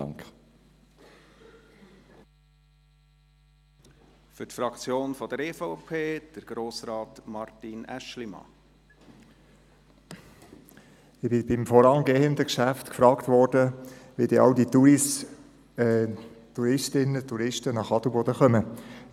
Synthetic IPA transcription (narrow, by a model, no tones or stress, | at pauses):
ŋk | fʏtfɾɑkt͡sjoːnfɔd̥əɾefoʊpʰeːd̥əɾɡ̥ɾoːsɾɑːtmɑɾtinæ̰ʃlimɑ̰ | ɪb̥ɪbɪmfɔɾɑŋɡeːənd̪əkʃæft̪kfɾɑːkt̪ʋɔɾdəʋidɛʔɑwdit̪uɾɪs | t̪uɾɪʃtɪnːət̪uɾɪʃtənɑχɑd̪ubɔdəχœmə